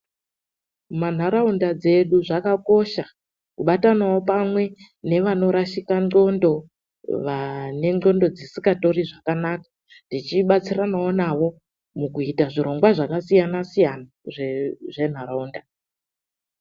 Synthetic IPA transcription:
man̤aɾaundad͡ze̞ɗuʐakako̞ʃa | kuɓatanawo̞pamwe̞ | ne̞ʋano̞ɾaʃikano̞ndo̞ | ʋane̞ŋ͡ǃo̞ndo̞d͡zisikato̞riʐakanakḁ | ndit͡ʃiɓat͡siranaonaʋo̞ | mukuitaʐiɾo̞ŋɡwaʐakasijanasijana | ʐeʐe̞n̤aɾaunda

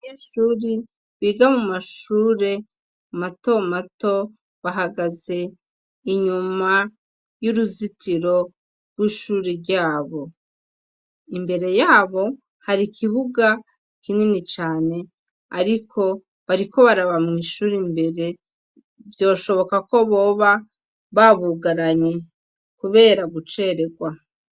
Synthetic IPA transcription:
eʃuːɾi | βiɡamumaʃuːɾe̞ | mato̞mato̞ | βaɦaɡaze̞ | iɲuma | juɾuzitʰiɾo̞ | ɾɡwiːʃuːɾeɾɟaːβo̞ | imbe̞ɾe̞jaːβo̞ | haɾikʰiβuɡa | kininit͡ʃaːne̞ | aɾikʰo̞ | βaɾiko̞βaɾaβamŋiːʃuːɾimbe̞ɾe̞ | vjo̞ːʃo̞βo̞kako̞βo̞ːβa | βaβuɡaɾaɲe̞ | kuβe̞ːɾaɡut͡ʃe̞ɾe̞ɡwa

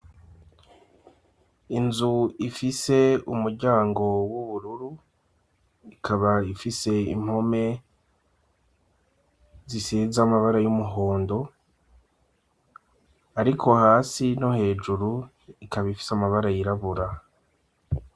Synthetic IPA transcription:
inzuifise̞umuɾɟaːŋɡo̞wuβuɾuɾu | ikʰaβaifise̞ḭm̥ho̞me̞ | zisizamaβaɾajumuɦo̞ːndo̞ | aɾikʰo̞haːsinohe̞ːd͡ʒuɾu | ikaβaifi̥samaβaɾajiɾaβuɾa

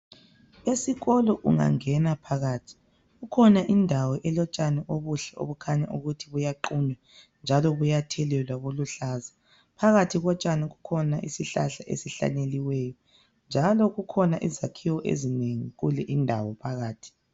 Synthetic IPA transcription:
esiɣɔlɔʔṵŋa̰ŋɛnapʰaɣaːtʰi̥ | ɣukʰɔnaʔindʱawɔʔɛlɔt͡ʃʼanɛʔoβuɬɛʔo̰βukʰaɲaʔuɣutʰiβujaǃuɲwa | nd͡ʒʱalɔβujatʰɛlɛlwaβoluɬaːza | pʰaɣatʰiɣɔt͡ʃʼanɛɣukʰɔnaʔisiɬa̰ɬaʔḛsiɬa̰neliwɛːjɔ | nd͡ʒʱalɔɣukʰɔnaʔizakʰiwɔʔḛzineŋiɣulɛʔindʱawɔpʰaɣaːtʰi̥

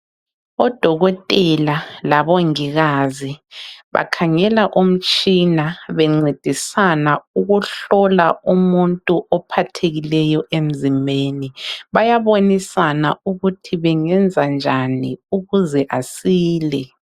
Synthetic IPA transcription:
ɔd̥ʱɔɣɔtʼɛlalaβoŋiɣaziβa̰kʰaŋɛlaʔum̩t͡ʃʼinaβɛŋ͡ǀed̥ʱisanauɣuɬɔlaumuntʼuʔɔpʰatʰeɣilɛjɔʔem̩zimbʱeniβajaβonisanauɣutʰiβɛŋɛnd͡zʱand͡ʒʱaniuɣuzɛʔasiːlɛ

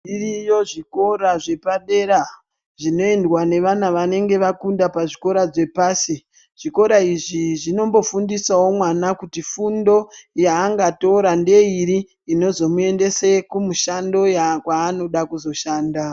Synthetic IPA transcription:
irijo̞ʐiko̞ɾaʐe̞paɗe̞ɾa | ʐino̞endwane̞ʋanaʋane̞ŋɡe̞ʋakundapaʐiko̞ɾad͡ze̞paːsi | ʐ̥iko̞ɾaiʐiʐino̞mbo̞fundisawo̞mwanakutifundo̞jaːŋɡato̞ɾande̞iɾiː | no̞zo̞mue̞nde̞sekumuʃando̞jakwaːno̞ɗakuzo̞ʃaːnda

